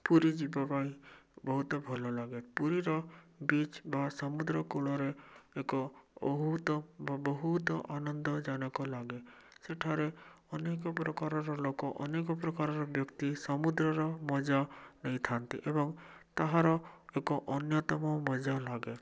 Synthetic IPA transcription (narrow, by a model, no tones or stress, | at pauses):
puɾid͡ʒibabaibɔɦut̪bʱɔlɔlaɡepuɾiɾɔbit͡ʃbasɔmud̪ɾəkoɭɔɾeekɔbɔɦut̪bbɔɦut̪ʔanɔnd̪ɔd͡ʒanɔkɔlaɡeseʈʰaɾe | ɔnekɔpɾɔkaɾɔɾɔlokɔʔɔnekɔp̬ɾɔkaɾɔɾɔbjɔkt̪isɔmud̪ɾəɾɔmɔd͡ʒanɛĩt̪ʰãnt̪ḭʔebɔŋt̪aɦãɾɔekɔʔɔnjɔt̪ɔmɔmɔd͡ʒalaɡe